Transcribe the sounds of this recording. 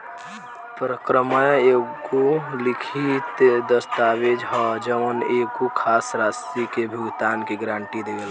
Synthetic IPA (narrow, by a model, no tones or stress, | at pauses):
pɾəkɾəməjekolikʰit̪d̪əst̪awed͡ʒɦɔd͡ʒəʋənekukʰasɾast̪ikebʱuɡt̪aːnkeɡɾãːɳʈid̪eɡel